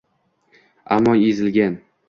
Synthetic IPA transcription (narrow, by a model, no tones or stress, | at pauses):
a̰mːɒezɪlɡʲan